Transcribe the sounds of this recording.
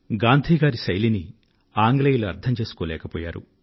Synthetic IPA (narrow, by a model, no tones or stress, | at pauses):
ɡaːnd̪ʱiːɡaːɾisɐjlini | aːŋɡlɐjiluɐɾd̪ʰɐmt͡ʃe̞ːsu̥koːlɛ̰ːkɐpɔːjaːɾṵ